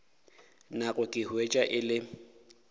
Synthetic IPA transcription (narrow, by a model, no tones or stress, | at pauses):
naɣʊkʼɪhwet͡ʃʼaʔɪlɪ